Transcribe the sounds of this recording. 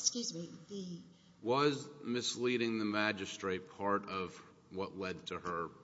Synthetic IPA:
skjʉzmiði | wʌzmɨsliɾɪ̃ŋðɨmæd͡ʒɨstɹ̥eɪt̚pʰɑɹɾʌv̥ | wʌʔlɛd̚tʰɨə˞

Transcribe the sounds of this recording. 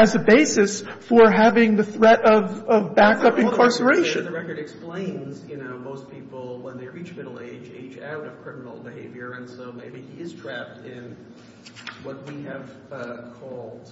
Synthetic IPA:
ɨzɨbeɪsɨsfə˞ɦævɪ̃ŋðɨθɹɛɾʌvʌvbækʌpɨ̃nkʰɑɹsə˞eɪʃɨ̃nðɨɹɛkə˞ɾɨksplẽɪ̃nz̥jɨnoʊmoʊspʰipl̩ˠwə̃nðeɪɹit͡ʃmɪɾl̩ˠḛɪd͡ʒḛɪd͡ʒa̰ʊɾʌv̥kʰɹ̥ɪmənl̩ˠbɨheɪvjə˞ɨ̃nsoʊmeɪbiiɨzdɹæp̚tɪ̃n | wʌt̚wiɨv̥ | ʌkʰɔlˠd̥

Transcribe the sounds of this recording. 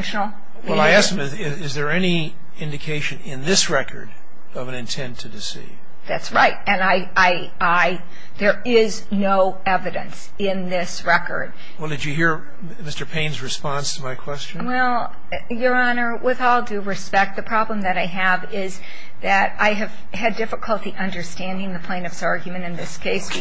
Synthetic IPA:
nʃnl̩ˠ | wɛlˠaɪæskmɨzɪɪzðə˞ɛni | ɪ̃ndɨkʰeɪʃɨ̃nɪ̃nðɪsɹɛkʰə̰˞ɾ | ʌvɨ̃nɨ̃ntʰɛ̃ntʰɨdɨsḭv̥ | ðætsɹaɪt̚ɨ̃naɪ | aɪ | aɪ | ðə˞ | ɪz | noʊ | ɛvɨɾɨ̰̃ns | ɪ̃nðɪsɹɛkə̰˞d̥̚ | wɛlˠdɨd͡ʒɨɦiɹ | mɪstə˞pʰẽɪ̃nzɹɨspɑ̃nstʰəmaɪkʰw̥ɛst͡ʃɨ̃wɛlˠ | jə˞ɑnə˞wɪðɔlˠdɨɹɨspɛk̚t̪̚ðɨpʰɹ̥ɑblə̃mðɨɾaɪɨvɪz | ðɨɾaɪɨv̥ | ɨdɪfəkʰəlˠtiʔʌ̃ndə˞stæ̃ndɪ̃ŋðɨpʰl̥ẽɪ̃nʌvsɑɹɡjmɨ̃ɾ̃ɨ̃nðɪskʰeɪs

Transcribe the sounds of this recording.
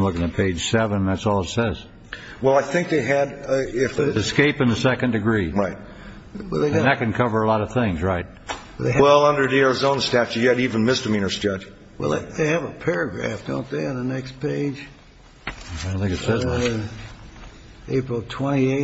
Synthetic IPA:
mlʊkɪ̃ŋɨt̚pʰeɪd̥ʒ̥sɛvə̃nðætsɔlˠətsɛz̥ | wɛlˠaɪθɪ̃ŋk̚ðeɪɨɾɪfɨskeɪpɨ̃nðɨsɛkɨ̃ndɨɡɹiɹaɪt̚ | wɛ̰lˠðeɪðɨt̚kɨ̃nkʰʌvə˞əlɔɾʌv̥θɪ̃ŋzɹaɪt̚b̥ʌðeɪwɛlˠʌ̃ndə˞diəɹzõʊ̃nstæft͡ʃɨjɨɾivɨ̃nmɪstəmĩnə˞z̥d͡ʒʌ̥d͡ʒ | wɛ̰lˠððeɪɨvəpʰɛɹɨɡɹæ̰fd̥õ̰ʊ̃nðeɨnðənɛkspʰeɪ̥d͡ʒ | fnθɪ̃ŋkɨtsɛz | eɪpɹl̩ˠtʰw̥ɛ̃ɾ̃ieɪ

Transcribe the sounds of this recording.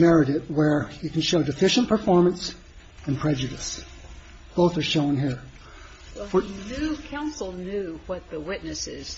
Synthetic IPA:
mɛɹɪɾɪt̚wə˞hikn̩ʃoʊdɨfɪʃɨ̃npʰə˞fɔɹmə̃ns | ɨ̃npʰɹ̥ɛd͡ʒɨɾɨs | b̥oʊθə˞ʃõʊ̃nɦiɹ | fə˞nʉkʰãʊ̃nsl̩ˠnjʉwʌt̪̚ðəwɪtⁿnɨsɪz̥

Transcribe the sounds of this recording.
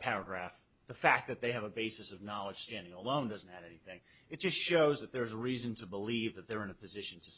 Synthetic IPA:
pʰɛɹɨɡɹæf | ðəfæk̚ðɨt̪̚ðeɪɨvəbeɪsɨsʌvnɑlˠəd̥ʒ̥stæ̃ndɪ̃ŋəlõʊ̃ndʌzn̩thɨɾɛniθɪ̃ŋ | ɨt̚d̥ʒ̥ʌstʃoʊzðɨt̪̚ðə˞zəɹizɨ̃n̩tʰɨbəlivðɨt̪̚ðə˞ɨ̃nɨpʰɨzɪʃn̩tʰɨ

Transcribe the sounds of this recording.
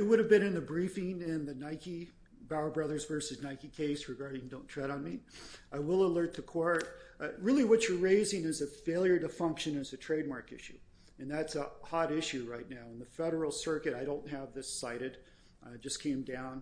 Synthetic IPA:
ɨt̚wʊɾɨvbɨ̃ñɨ̃nðɨbɹifɪ̃ŋɪ̃nðɨnaɪki | baʊə˞bɹʌðə˞zvɜ˞sɨznaɪkikʰeɪsɹɨɡɑɹɾɪ̃ŋdõʊ̃ntʰɹ̥ɛɾn̩miʔaɪwɪlˠəlɜ˞t̪̚ðɨkʰw̥ɔɹt̚ɹɪlˠiwʌt͡ʃə˞ɹeɪzɪ̃ŋɨzɨfeɪlˠjə˞ɾɨfʌ̃ŋkʃɨ̃nɨzɨtʰɹ̥eɪd̚mɑɹkɪ̰ʃʉ̰ | ɨ̃nðætsəhɑɾɪʃʉɹaɪtⁿnaʊə̃nðɨfɛɾə˞l̩ˠsɜ˞kɨɾaɪɾõʊ̃nt̚ɦɨvðɪsaɪɾɨd̥ | d͡ʒʌskʰẽɪ̃mdãʊ̃n

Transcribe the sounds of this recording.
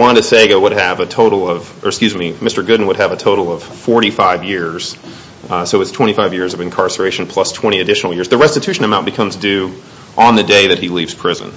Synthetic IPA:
wɑ̃nɾɨseɪɡowʊɾ̚ɨvɨtʰoʊɾl̩ˠʌv̥ | ʔə˞kskjʉzmimɪstə˞ɡʊdⁿn̩wəɾ̚ɨvɨtʰoʊɾl̩ˠʌv̥fɔɹɾifaɪvjɪɹz̥ | soʊɨz̥tʰw̥ɛ̃ɾ̃ifaɪvjɪɹzʌvɨ̃nkʰɑɹsə˞eɪʃn̩pʰl̥ʌstʰw̥ɛ̃ɾ̃iɨdɪʃn̩l̩ˠjɪɹzðɨɹɛstɨtʰʉʃɨ̃n̩ɨmãʊ̃nb̥ɨkʰʌ̃mzdʉ | ʔə̃nðɨdeɪðɨt̚hilivz̥pʰɹ̥ɪzɨ̰̃n

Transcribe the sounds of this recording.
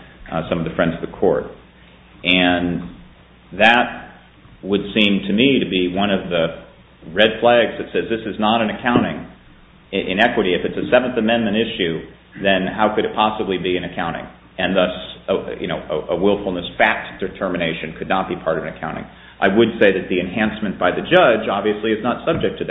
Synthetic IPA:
sʌ̃mʌvðɨfɹɛ̃ndzʌvðəkʰɔ̰ɹt̚ | ʔɨ̃n | ðɨt̚ | wəd̥sĩmtʰɨmiɾɨbiwʌ̃ñʌvðɨ | ɹɛd̚pʰl̥æɡzðɨtsɛzðɪsɨznəɾɨ̃nɨkʰãʊ̃ɾ̃ɪ̃ŋ | ʔɪ̰̃nɛkwəɾiɨfɨtsɨsɛṽnθɨmɛ̃nmɨ̃ɾ̃ɪʃʉ | ðɨ̃nhaʊkɨɾɨt̚pʰɑsəblibiɨ̃nɨkʰãʊ̃ɾ̃ɪ̰̃ŋ | ɨ̃nðʌsəjʔɨ̰ñoʊʔəʔəwɪlˠfl̩ˠnəsfæk̚td̥ɨtʰɜ˞mɨñeɪʃɨ̃nkʰɨdⁿnət̚b̥ipʰɑɹɾʌvɨnɨkʰãʊ̃ɾ̃ɪ̰̃ŋ | ʔaɪwədseɪðɨt̪̚ðiɨ̃nhæ̃nsmɨ̃nb̥aɪðɨd͡ʒʌd͡ʒɑbviɨsliɨznətsʌb̚d͡ʒɨk̚tʰɨð

